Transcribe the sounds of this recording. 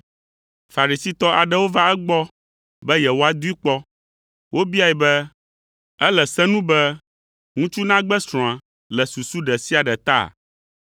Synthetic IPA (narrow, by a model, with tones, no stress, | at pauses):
fa˨ɾi˨si˦t̪ɔ˦ʔa˨ɖɛ˦wo˦va˦ɛ˦ɡ͡bɔ˦ | bɛ˦jɛ˨wo˦a˨d̪u˦i˦k͡pɔ˦ | wʔo˦bi˦a˨jɛ˨bɛ˦ | ɛ˦lɛ˨sɛ̃˦nũ˦bɛ˦ | ŋũ˦t͡ʃu˦nã˦ɡ͡bɛ˦sɾ̃ɔ̃˨a˨ | lɛ˨su˨su˦ɖɛ˨si˦a˨ɖɛ˨t̪a̰˦˨